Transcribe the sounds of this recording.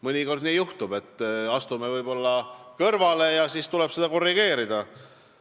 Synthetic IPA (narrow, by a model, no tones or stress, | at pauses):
mɤnʲiko̞rd̪nijuht̪ub̥e̞t̪ːˑɑst̪ume̞vɤjbo̞lːɑkɤrvɑle̞jɑsiːst̪uleb̥sed̪̥ɑko̞rːiɡ̥e̞ːɾid̪̥ɑ